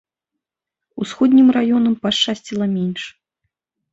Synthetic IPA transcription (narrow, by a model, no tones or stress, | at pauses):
usxɔd̪ʲnʲimrajɔnɐmpaʂt͡ʂasʲt͡sʲilˠɐmʲɛnʲʂ